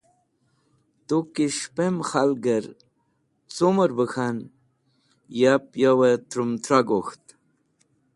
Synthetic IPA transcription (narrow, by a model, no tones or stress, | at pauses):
t̪okiʃpemxalɡəɾ | t͡soməɾbəxan | japjawət̪ɾumt̪ɾaɡoxt̪